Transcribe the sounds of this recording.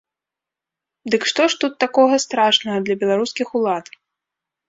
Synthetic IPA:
d̪ɨkʂt̪ɔʂt̪ut̪ːakɔɣɐst̪ɾaʂnɐɣɐd̪lʲɐbʲɛlˠaɾuskʲixulˠat̪

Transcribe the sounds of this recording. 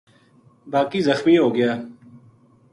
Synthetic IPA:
baːkiːzəxmiːɦoːɡəjaː

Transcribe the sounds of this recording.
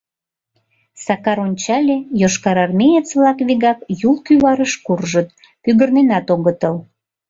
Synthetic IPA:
sɑkɑɾonʲt͡ɕɑlʲejoʃkɑɾɑrmʲejet͡sβlɑkβiɣɑkjulˠkyβɑɾəʃkurʒət̪̚ | pyɣərnenɑt̪oɣət̪əl

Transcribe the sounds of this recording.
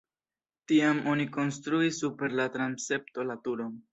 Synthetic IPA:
tiamʔo̞niko̞nstɾuisupe̞ɾlatɾanse̞p̚to̞latuɾo

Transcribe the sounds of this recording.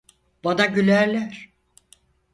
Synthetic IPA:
b̥anaɟylʲæɾlʲæɾ̥

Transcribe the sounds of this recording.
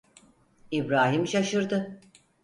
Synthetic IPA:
ibɾaːɦimʃaʃɯɾd̪ɯ

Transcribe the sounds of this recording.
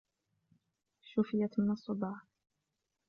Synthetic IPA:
ʃʊfɪjat̪mɪnɑsˤːʊb̪ɑːħ

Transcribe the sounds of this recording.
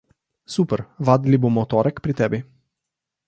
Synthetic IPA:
supərvad̪libumot̪ɔɾɛkpɾit̪ɛbi

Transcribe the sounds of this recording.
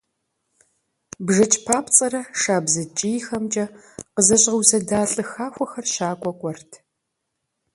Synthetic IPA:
bʒɐt͡ʃʼpʰaːpʰt͡sʼɐɾɐʂaːbzɐt͡ʃʼijxɐmt͡ʃʼɐqəzɐɕʼʁɐwsɐdaːɬʼɨxaːxʷɔxɐrʃaːkʷʼɔkʷʼɔrtʰ

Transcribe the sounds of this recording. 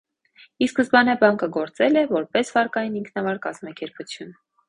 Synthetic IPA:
iskəzbɑnɛbɑŋkəɡɔɾt͡sɛlɛvɔɾpɛsvɑɾkɑjiniŋkʰnɑvɑɾkɑzmɑkɛɾput͡sʰjun

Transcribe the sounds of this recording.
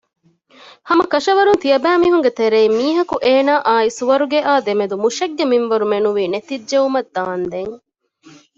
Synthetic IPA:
hɐmɐkɐʃɐʋɐɾunt̪ijɐbæːmiːɦuŋɡet̪eɾeimːiːɦɐkuʔeːnaːʔaːisuʋɐɾuɡeʔaːd̪emed̪umuʃɐɡːeminʋɐɾumenuʋiːnet̪iːʒeumɐd̪ːaːnd̪eŋ

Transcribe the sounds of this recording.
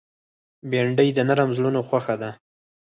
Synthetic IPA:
beɳɖəjd̪ənaɾamzlunoxwaxad̪a

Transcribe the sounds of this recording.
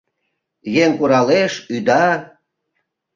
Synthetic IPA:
jeŋkuɾɑleʃyd̪ɑ

